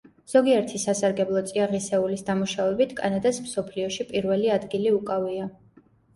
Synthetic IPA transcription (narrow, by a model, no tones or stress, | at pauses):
z̥ɔɡiɛɾt̪ʰisasaɾɡɛblˠɔt̪sʼiaʁisɛulisd̪amuʃavɛbit̪ʰkʼa̰nad̪asm̩sɔpʰliɔʃipʼiɾvɛliad̪ɡiliukʼavia